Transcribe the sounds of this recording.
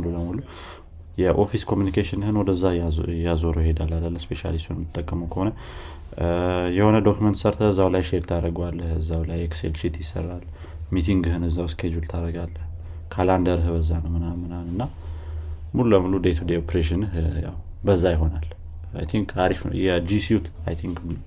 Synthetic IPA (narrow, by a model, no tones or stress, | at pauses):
mluləmulu | jɛʔofiskʰo̞mjunikʰeʃɪnhɨnwɔd̪əzːajazoɾojhed̪alːalːəlːəspʰe̞ʃa̰list̪unmɨt̪ʼːəkʼːəməwkʰəho̞nə | jɛho̞nəd̪o̞kumənt̪səɾt̪ʰəbəzːawlajʃeɾt̪ʰaɾəɡwalːəhɨzːawlajeksḛlʃit̪jɪsːə̰rːal | mit̪ʰiŋɡɦɨnɨzːawskʰed͡ʒult̪ʰaɾəɡalːəh | kʰaland̪əɾɦbəzːanəwmɨnamɨnanɨnːa | muluəmulud̪et̪ʰud̪eopɾeʃ̬ɪnɨhja̰w | bəzːajɪɦo̞nal | ajt̪ʰiŋkʰaɾifjɛd͡ʒisiut̪a̰jt̪ʰiŋkmɨl